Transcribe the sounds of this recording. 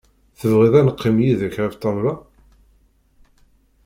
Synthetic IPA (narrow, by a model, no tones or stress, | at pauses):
θəvʁiðˤænəqʰːimjiðæçɾæft̪ˤːɑvlɑ